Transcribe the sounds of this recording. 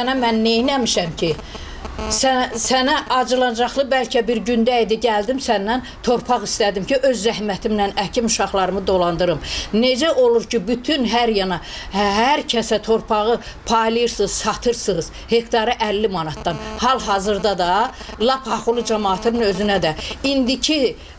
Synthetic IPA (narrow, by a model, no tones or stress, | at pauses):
ænæmænːe̞jnæmiʃæmcʰi | sæsænæʔɑd͡ʒɯlˠɑnd͡ʒɑχlˠɯbælcʰæbiɾɟynd̪æid̪iɟæld̪imsænːænt̪ʰo̞ɾpʰɑɣist̪æd̪imcʰiʔø̞zːæɦmæt̪ʰimnænæcʰimuʃɑχlˠɑɾɯmɯd̪o̞lˠɑnd̪ɯɾɯmne̞d͡ʒæʔo̞lˠuɾcibyt̪ʰynɦæɾjɑnɑɦæɾcʰæsæt̪ʰo̞ɾpʰɑʁɯ | pʰɑjlˠɯjɯɾsɯz̥sɑt̪ʰɯɾsɯz̥ | he̞kʰt̪ʰɑɾɯʔælːimɑnɑt̪d̪ɑnhɑlˠɦɑzɯɾd̪ɑd̪ɑ | lˠɑpʰhɑχulˠɯd͡ʒɑmɑːt̪ʰɯnɯnø̞zynæd̪æind̪icʰi